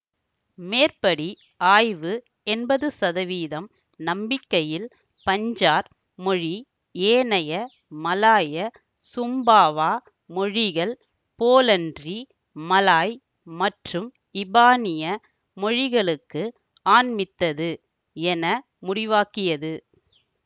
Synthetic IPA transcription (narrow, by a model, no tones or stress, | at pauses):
meːrpɐɽi | aːjʋɯ | ɛnbɐðɯsɐðɐʋiːðɐm | nɐmbɪkːɐjɪl | pɐɲd͡ʒaːɾ | mɔɻi | eːnɐjɐ | mɐlaːjɐ | sʊmbaːʋaː | mɔɻɪɣɐɭ | poːlɐndri | mɐlaːj | mɐʈrɯm | ɪbaːnɪjɐ | mɔɻɪɣɐɭɯkːɯ | aːnmɪt̪ːɐðɯ | ɛnɐ | mʊɽɪʋaːkɪjɐðɯ